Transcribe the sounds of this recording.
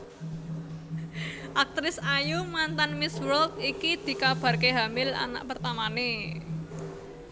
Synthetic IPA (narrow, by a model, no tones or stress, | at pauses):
ʔak̚t̪ɾɪsajumant̪anmɪswɔlkikid̪̥i̤kab̥a̤rkeɦamɪla̰na̰ʔpərt̪amane